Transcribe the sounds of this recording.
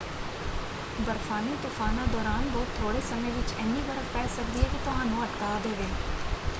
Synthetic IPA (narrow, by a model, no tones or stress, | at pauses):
bəɾfʰaːnit̪uːfʰaːnãd̪ɔːɾaːnʋoːt̪ʰːoːɽesɐmẽʋɪt͡ʃɛːnibəɾəfpɛːsɐk̚d̪iɦɛkit̪ʊɦãːnũɐʈkaːd̪eːʋeː